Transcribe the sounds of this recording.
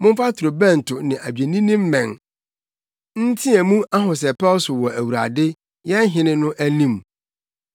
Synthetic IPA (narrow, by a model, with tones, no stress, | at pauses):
mʊ̃˦n˦fa˦tʰʊ˨ɾo˨bɛ̃˦˨n̩˨tʰʊ˨nɪ̃˨ʔæ˨bi˨e˨nĩ˦nĩ˦m̩˦mɛ̃˨n | n̩˦tʰĩ˦æ˨mũ˦a˦ɦʊ̃˨s̬ɛ˨pɛ˦sʊ˨wɔ˨æ˨wu˨ɾa̰˨dɪ˦ | jɛ˦ɦɪ̃˨˦nɪ̃˦nʊ̃˦ʔæ˦nĩ˦m˨